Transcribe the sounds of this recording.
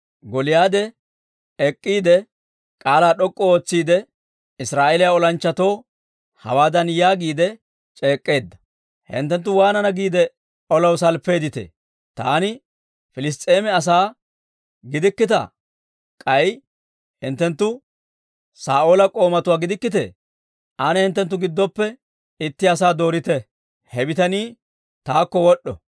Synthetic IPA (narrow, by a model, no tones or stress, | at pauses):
ɡɔlɪjaːd̪ɛ | ɛkʼːiːd̪ɛ | kʼaːlaːɗɔkʼːɔoːt͡sːiːd̪ɛ | ɪsɾaːʔeːlɪjaɔlɐnt͡ʃːɐt̪o̞ː | hɐ̰waːd̪ɐnjaːɡiːd̪ɛ | t͡ʃʼe̞ːkʼːe̞ːd̪ːɐ̥ | hɪ̰nt̪ːɛnt̪̬ːʊwaːnɐnɐɡiːd̪ɛ | ɔlɐwsɐlpːe̞ːd̪ɪt̪ḛː | t̪a̰ːnɪ | fɪlɪs̬t̪ʼeːmɛɐs̬aː | ɡɪd̪ɪkːɪt̪ɐ̰ | kʼɐj | hɪnt̪ːɛnt̪ːʊ | saːʔo̞ːlɐkʼo̞ːmɐt̪ʊwaːɡɪd̪ɪkːɪt̪ḛː | ʔanɛhɪnt̪̬ːɛnt̪ːʊɡɪd̪ːɔpːɛ | ɪt̪ːɪɐsaːd̪o̞ːɾɪt̪ɛ | hɛbɪt̪ɐniː | t̪aːkːɔwɔɗːɔ̰